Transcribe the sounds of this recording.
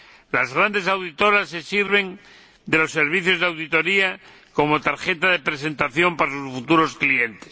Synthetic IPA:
lazɣɾand̪e̞sawðit̪o̞ɾasːe̞siɾβe̞n | d̪e̞lo̞sːeɾβ̞iθjo̞zðawðit̪o̞ɾia | ko̞mo̞t̪aɾxe̞t̪aðe̞pɾe̞se̞nt̪aθjo̞mpaɾasusfut̪uɾo̞sklie̞nt̪es

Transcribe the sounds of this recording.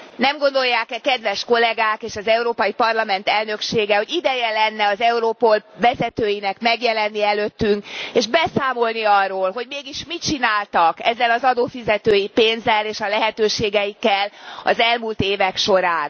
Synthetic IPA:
nɛmɡo̞nd̪o̞jːaːkɛkɛd̪ʋɛʃko̞lɛɡaːkeːʃɒzɛuɾoːpɒjipɒrlɒmɛnt̪ɛlnø̞kʃeːɡɛho̞ɟid̪ɛjɛlɛnːɛɒzɛuɾoːpolvɛzɛt̪øːjinɛkmɛɡjɛlɛnːiɛløt̪ːyŋkeːʒbɛsaːmo̞lniɒrːoːlɦo̞ɟmeːɡiʃmit͡ʃinaːlt̪ɒkɛzːɛlɒzɒd̪oːfizɛt̪øːjipeːnzɛleːʃɒlɛɦɛt̪øːʃeːɡɛjikːɛlɒ̰zɛlmult̪eːvɛkʃo̞ɾaːn

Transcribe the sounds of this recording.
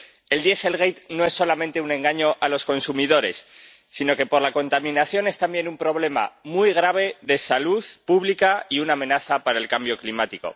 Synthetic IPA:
e̞ld̪je̞se̞lɣ̞ejt̪no̞e̞sːo̞lamẽnt̪e̞unẽ̞ŋɡaɲo̞ʔalo̞sko̞nsumiðo̞ɾe̞sː | ino̞ke̞po̞ɾlako̞nt̪amĩnaθjo̞ne̞st̪ambje̞numpɾo̞β̞le̞ma̰mujɣ̞ɾaβ̞e̞ðe̞saluðpuβlikaiunaːmẽ̞naθapaɾae̞lkambjo̞klimat̪iko̞̰

